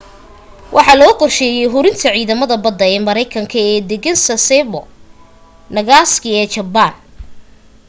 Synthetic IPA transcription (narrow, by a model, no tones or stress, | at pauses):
wʔɑħɑːlɔɣuqɔrʃɛːjɛjɦʊɾɪnt̪ʰɐʕiːðɐmɐðɐbɐd̪ːɐɛːmɐɾɛjkʰɐŋkʰɐɛːd̪ɛɣɐnsɐsɛbɔ | nɐɣaːskɪɛːt͡ʃɐban